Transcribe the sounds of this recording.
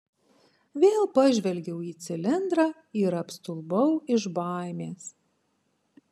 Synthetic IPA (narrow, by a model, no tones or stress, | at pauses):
ʋʲeːlˠpɐʒʲʋʲɛlʲɡʲɛʊiːt̪sʲɪlʲɪnd̪ɾɑː | ɪɾɐpst̪ʊlˠbɐʊɪʒbɑˑɪmʲeːs